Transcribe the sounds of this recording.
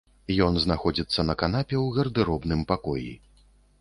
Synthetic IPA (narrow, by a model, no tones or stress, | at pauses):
jɔnznaxɔd͡zʲit̪sːɐnɐkanapʲɛwɣɐrd̪ɨɾɔbnɨmpakɔjḭ